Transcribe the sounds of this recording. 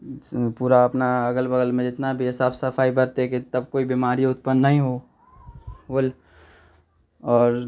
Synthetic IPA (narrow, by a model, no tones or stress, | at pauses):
puːɾaɐpnaəɡəlbəɡəlmẽd͡ʒɪt̪nabʱiɦɪsaːbsəfʰaːibəɾt̪eket̪ɐb̚koːibiːmaːɾiʊt̪pənːəɦĩɦo | bol | ɔːɾ